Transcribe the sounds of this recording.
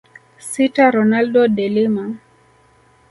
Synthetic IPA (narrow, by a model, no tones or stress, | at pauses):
sitaɾɔnaldɔɗɛlima